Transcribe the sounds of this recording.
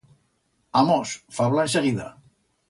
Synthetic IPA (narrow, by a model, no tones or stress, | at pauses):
amɔsfaβlaeseɣiða̰